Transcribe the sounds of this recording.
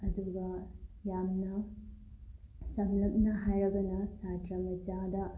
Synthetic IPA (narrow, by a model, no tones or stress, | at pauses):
ɐduɡɐjamnɐ | sɐmlɐk̚nɐɦajɾɐɡɐnɐsatɾɐmɐd͡ʒadɐ